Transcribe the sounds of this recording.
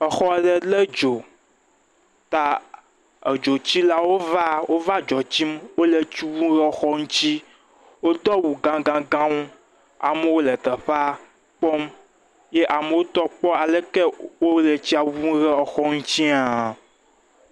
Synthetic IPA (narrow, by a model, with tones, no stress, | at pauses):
ɛ˨xɔ˦ɖɛ˨le˦d͡ʒo˨ | t̪a˨ | e˨d͡ʒo˨t͡ɕi˦la˦wo˦va˦wo˦va˦d͡ʒɔ˨t͡ɕi˦mwo˦le˨t͡ɕi˦wu˦ɣɛ˦ɔ˨xɔ˦ŋũ˦t͡ɕi˦ | wo˦d̪ɔ˦wu˨ɡã˨˦ɡã˦ɡã˦ŋũ˦ | a̰˨me˦wo˦lɛ˨t̪ɛ˨ɸa˦ | k͡pɔ˦m | je˦ʔa˨me˨wo˦t̪ɔ˦k͡pɔ˦a˨le˦kɛ˦wo˦le˨t͡ɕi˦a˨wu˦ɣɛ˦ɔ˨xɔ˦ŋũ˦t͡ɕi˦a˨